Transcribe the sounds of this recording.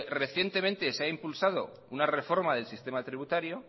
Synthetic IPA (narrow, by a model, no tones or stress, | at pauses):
re̞θje̞nt̪e̞mẽ̞nt̪e̞seaimpulsað̞o̞ | unare̞fo̞ɾmaðe̞lsist̪e̞mat̪ɾiβut̪aɾjo̞